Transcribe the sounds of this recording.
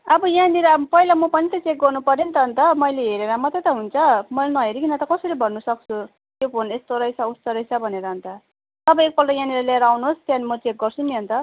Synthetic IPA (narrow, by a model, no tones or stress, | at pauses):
ʌbʌjãniɾʌpʌilamʌpʌnit̪ʌt͡sek̚ɡʌrnupʌɾint̪ʌɦʌnt̪ʌmʌjleɦeɾeɾʌmʌt̪at̪ʌɦunt͡sʰʌmʌnʌɦeɾikinʌt̪ʌkʌsʌɾibʱʌnːusʌk̚t͡sʰu | j̪jopʰonest̪oɾʌjsʰaust̪ʌɾʌjsabʱʌneɾʌɦʌnt̪ʌ | ʌbʌek̚pʌlʈʌjãniɾʌlaeɾawnuɦost̪animʌt͡sek̚ɡʌrt͡sʰuniɦʌnt̪ʌ